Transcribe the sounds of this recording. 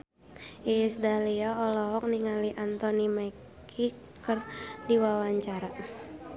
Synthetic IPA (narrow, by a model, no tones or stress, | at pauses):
ʔisdaliɔːlɔɦɔk̚niŋaliʔant̪ɔnimaikʰi | kərdiwawaɲt͡ʃaɾa